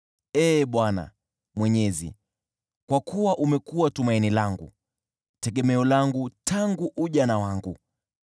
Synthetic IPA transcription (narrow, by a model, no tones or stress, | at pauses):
ɛːɓwana̰ | mwɛɲɛzḭ | kwakuwaʔumɛkuwatumainilaŋɡu | tɛɠɛmɛɔlaŋɡutʰaŋɡuʔuʄanawaŋɡu